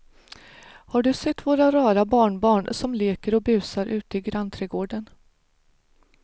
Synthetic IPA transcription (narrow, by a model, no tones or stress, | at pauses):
haɖɵsɛt̪ːvoːɾaɾɑːɾabɑːɳbɑːɳsɔmleːkəɾɔbʉ̟ːsaɾʔʉ̟ːt̪əɪɡɾant̪ʰɾɛːɡoːɖən